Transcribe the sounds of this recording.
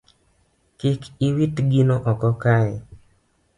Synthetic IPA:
kɪkʰiwitɡinoʔɔkɔkajɛ

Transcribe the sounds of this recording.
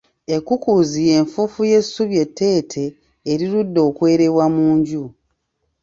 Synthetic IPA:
e̞kukuzije̞ːɱfufuje̞suβje̞tːe̞ːtʰe̞ː | ɾiɾudːo̞ːkwe̞ːɾe̞βwamuːɲɟu

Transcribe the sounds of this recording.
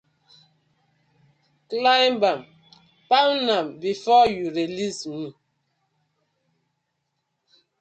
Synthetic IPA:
klajmbam | pawnambifɔjuɾelismi

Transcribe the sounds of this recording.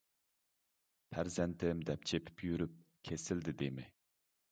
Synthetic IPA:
pʰæɾzɛnt̪ʰɪmd̪ɛp̚t͡ʃʰepʰɪ̥pjyɾyp̚kʲʰesɪld̪ɪd̪emɪ

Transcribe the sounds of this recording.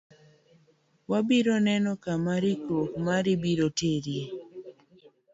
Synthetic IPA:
wabiɾonɛnɔkamaɾikɾokmaɾibiɾoteɾje

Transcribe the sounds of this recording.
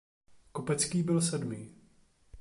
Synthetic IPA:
kopɛt͡skiːbɪlsɛdmiː

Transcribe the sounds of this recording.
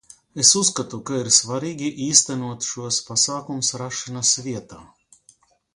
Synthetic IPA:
esuskat̪ukaiɾsvaɾiːɡʲiʔiːst̪anuɔt̪ʃuɔspasaːkumʊsɾaʃanasviɛt̪aː

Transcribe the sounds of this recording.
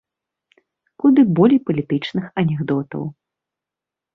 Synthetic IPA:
kud̪ɨbɔlʲjpɐlʲit̪ɨt͡ʂnɨxɐnʲɛɣd̪ɔt̪ɐ̰w

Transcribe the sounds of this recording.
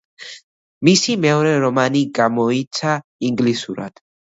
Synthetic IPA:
misimɛɔɾɛɾɔmaniɡamɔit̪sʰaiŋɡlisuɾa̰d̪̥

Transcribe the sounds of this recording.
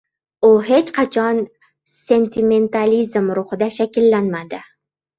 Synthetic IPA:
ʊɦe̞t͡ʃqʰɑt͡ʃʰɒn | se̞nt̪ʰɪme̞nt̪alizmɾʊhɨd̪aʃakʲɪlːanmad̪ɪ

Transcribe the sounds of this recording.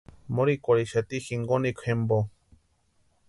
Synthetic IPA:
moɾikʷoɾiʃat̪ixiŋɡonikʰʷhembo

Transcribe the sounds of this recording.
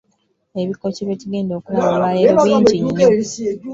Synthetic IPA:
e̞βikːociβeciɡe̞ːndoːkuwaolwaeβiːɲd͡ʒiɲːe

